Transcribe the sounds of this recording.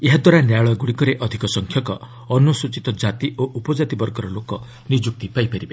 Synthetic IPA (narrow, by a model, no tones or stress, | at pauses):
eɦad̪waɾanjaɭɔɡuɽikɔɾeʔɔd̪ʱikɔsɔŋkʰjɔkɔ | ɔnusut͡ʃit̪ɔd͡ʒat̪iʔoʔupɔd͡ʒat̪ibɔɾɡɔɾɔlokɔ | nid͡ʒuk̚t̪ipajpaɾibe